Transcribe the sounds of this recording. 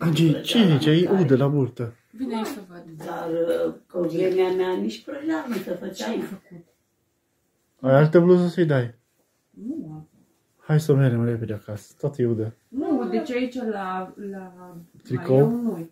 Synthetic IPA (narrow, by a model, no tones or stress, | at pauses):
ad͡ʒit͡ʃeɾet͡ʃaiʔud̪əlabuɾt̪ə | vinsɐvad̪d̪aɾkəvɾemeamjaniʃt̪̚ʲpɾoɡɾaməsəfət͡ʃajifəkut̪ | ajalt̪əbluzəsəjd̪aj | nu | hajsoveɾemɾeped̪ʲeakasə̥t̪ot̪əjud̪ə | nud̪et͡ʃait͡ʃalalat̪ɾikonoj